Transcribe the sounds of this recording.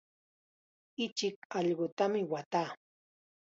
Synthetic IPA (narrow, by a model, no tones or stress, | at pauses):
ɪt͡ʃɪkɑʎɢot̪amɪwat̪aː